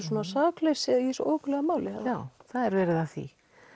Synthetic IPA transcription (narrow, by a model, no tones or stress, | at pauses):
s̬uɔːnasaːklesɪisʔoːwklɛɣamaːwlɪa̰awθaðɛɾvɛːɾɪðaθḭ